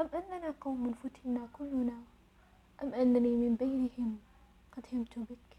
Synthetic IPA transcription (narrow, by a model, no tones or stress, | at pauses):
ʔamʔanːanaqɑwmːɪnfʊt̪ɪnakʊlːʊna | ʔamʔanːanimɪmbajnɪhɪm | qɑd̪hɪmt̪ʊbɪk